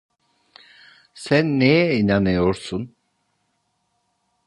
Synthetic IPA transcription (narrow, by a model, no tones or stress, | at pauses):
sænːejɛinanɯjo̞ɾsun